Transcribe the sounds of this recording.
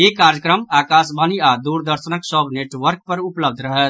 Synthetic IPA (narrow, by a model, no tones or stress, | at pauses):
ekaɾjəkɾəmakasbaniad̪uɾd̪əɾsənəksəbʱneʈʋəɾk̚pəɾupləb̚d̪ʱɾəɦɛt̪